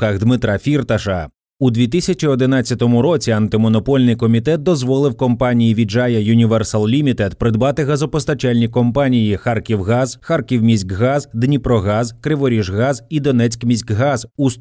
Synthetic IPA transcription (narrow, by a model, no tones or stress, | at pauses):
kaɣd̪mɪt̪ɾafʲirt̪ɐʃɐ | ud̪ʲʋʲit̪ɪsʲɐt͡ʃʲiɔd̪ɪnat͡sʲːɐt̪ɔmʊɾɔt͡sʲiɐnt̪ɪmɔnɔpɔlʲnɪjkɔmʲit̪ɛt̪̚d̪ɔzʋɔlˠɪwkɔmpɑnʲijiʋʲid͡ʒajɐjʊnʲiʋɛrsɐlˠlʲimʲit̪ɛd̪pɾɪd̪bɑt̪ɪɣɐzɔpɔst̪ɐt͡ʃalʲnʲikɔmpanʲijixarkʲiwɣɑzxarkʲiwmʲisʲkɦɑzd̪nʲipɾɔɣɑzkɾɪʋɔɾʲiʒɣɑzid̪ɔnɛt͡sʲkmʲisʲkɦɑzus